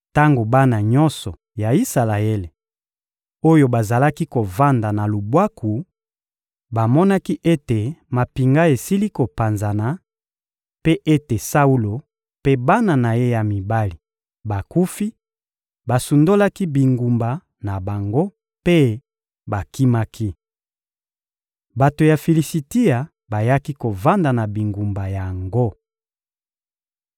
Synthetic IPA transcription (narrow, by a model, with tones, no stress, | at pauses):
ta˦ŋɡo˨ba˦na˨ɲɔ˦nsɔ˨ | ja˨i˦sa˨la˨e˦le˨ | o˦jo˦ba˨za˨la˦ki˦ko˨va˦nda˨na˨lu˨bwa˦kʰu˨ | ba˨mɔ˦na˦ki˦ʔe˦te˨ma˨pi˨ŋɡa˦e˨si˦li˦ko˨pa˨nza˨na˨ | pe˦ʔe˦te˨sa˦u˦lo˨ | pe˦ba˦na˨na˨je˦ja˨mi˨ba˦li˨ | ba˨ku˦fi˦ | ba˨su˨ndo˦la˦ki˦bi˨ŋɡu˨mba˨ | na˨ba˨ŋɡo˦ | pe˦ | ba˨ki˦ma˦kʰi˦ | ba˨to˨ja˨fi˨li˨si˨ti˦a˨ | ba˨ja˦ki˦ko˨va˦nda˨na˨bi˨ŋɡu˨mba˨ja˨ŋɡo˦